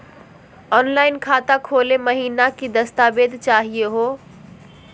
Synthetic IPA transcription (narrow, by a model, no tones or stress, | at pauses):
ɔːnlaːɪnkʰaːt̪akʰoːleməɦiːnakid̪ɐst̪aːbeːd̪ʱt͡ʃaːɦijeɦoː